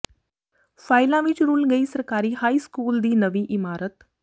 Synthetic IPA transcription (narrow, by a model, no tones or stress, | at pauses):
faːɪlãʋɪt͡ʃɾuːlɡəiːsəɾkaːɾiːhaːiːskuːld̪iːnəʋiːʔɪmaːɾət̪